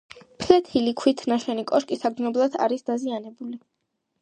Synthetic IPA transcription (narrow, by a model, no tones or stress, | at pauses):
pʰlɛt̪ʰilikʰwit̪ʰnaʃwɛnikʼɔʃkʼisaɡznɔblˠad̪ʰa̰ɾisd̪azianɛbuli